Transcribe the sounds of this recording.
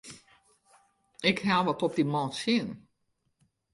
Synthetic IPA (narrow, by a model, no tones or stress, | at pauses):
ɪkɦaʋɔtɔp̚dimɔːsjɪən